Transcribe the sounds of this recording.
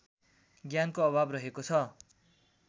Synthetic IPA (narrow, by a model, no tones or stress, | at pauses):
ɡjankoʌbʱabrʌɦekot͡sʰʌ